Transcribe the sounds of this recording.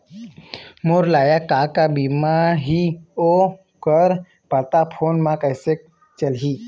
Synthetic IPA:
moɾlajakakabimaɦio | kəɾ | pat̪apʰonmãkajsek̚ | t͡ɕəlɦi

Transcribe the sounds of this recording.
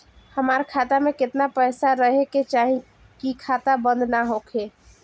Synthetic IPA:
həmaɾkʰat̪amekɪt̪napəjsaɾəɦeket͡ʃaɦĩ | kikʰat̪abə̃nd̪ʱnaɦokʰe

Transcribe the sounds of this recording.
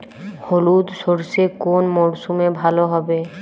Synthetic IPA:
holud̪ʃoɾsekonmɔɾsumebʱaloɦɔbe

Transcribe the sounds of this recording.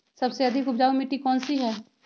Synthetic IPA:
sɐbseɐd̪ʱɪkʊbd͡ʒaːumiʈikɔːnsiɦɛː

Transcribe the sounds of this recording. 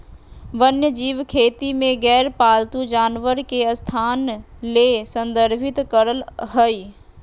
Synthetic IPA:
ʋənjəd͡ʒiːʋkʰeːt̪imẽɡɛːɾpaːlt̪ud͡ʒaːnʋəɾkeəst̪ʰaːn | lesə̃nd̪əɾbʱɪt̪kəɾəlɦəi

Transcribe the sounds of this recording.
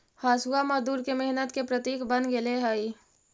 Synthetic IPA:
haːsuamɐd̪uːɾkemɪɦnət̪kepɾət̪iːkʰbənɡeleɦai

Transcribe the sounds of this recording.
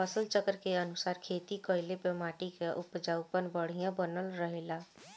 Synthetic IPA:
əsəlt͡ʃəkəɾkeənʊsaːɾkʰeːt̪ikɔɪlepəmaːʈikeʔʊpd͡ʒaːʊpənbəɽ̤ijãbənəlɾəɦeːlaː

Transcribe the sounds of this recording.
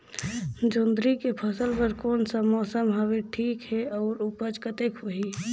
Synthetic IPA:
d͡ʒond̪ʱɾikepʰəsəlpəɾkoːnsəmɔːsəmbʱaʋiʈʰiːkɦɛɔːɾupəd͡ʒkət̪ekɦoɦi

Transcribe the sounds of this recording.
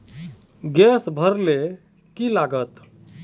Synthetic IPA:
ɡɛsbʱəɾle | kilaɡət̪

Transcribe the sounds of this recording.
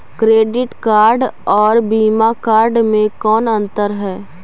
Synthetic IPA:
kɾeːɖɪʈkaːɾɖɔːɾbiːmakaːɾɖmẽkɔːnɐ̃nt̪əɾɦɛː

